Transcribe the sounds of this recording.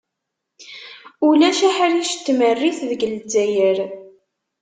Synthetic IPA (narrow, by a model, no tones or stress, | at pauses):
ulæʃæħɾiʃt̪ːmərːiθðəɡəld͡zæjəɾ